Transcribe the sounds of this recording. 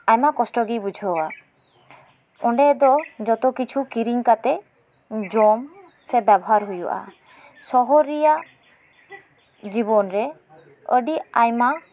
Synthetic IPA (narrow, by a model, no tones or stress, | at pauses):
ajmakɔsʈɔɡibud͡ʒʱɔwa | ɔɳɖɛd̪ɔd͡ʒɔt̪ɔkit͡ʃʰukiɾiŋkat̪ɛ | d͡ʒɔm | sɛbabɔɦaɾɦujuʔa̰ | sɔɦɔɾija | d͡ʒibɔnɾɛ | ə̰ɖiajma